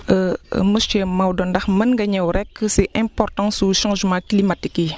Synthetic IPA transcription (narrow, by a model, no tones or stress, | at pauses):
əməsʃɛmawdɔndɐxmɐnŋɡɐɲɛwɾɛkːəsɛʔɛ̃mpɔrtɑ̃suʃɑ̃ːʒmɑ̃klimatikji